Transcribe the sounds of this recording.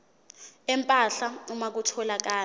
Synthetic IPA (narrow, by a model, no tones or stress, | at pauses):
ɛmpʼaɬaumak̬utʰɔlak̬aː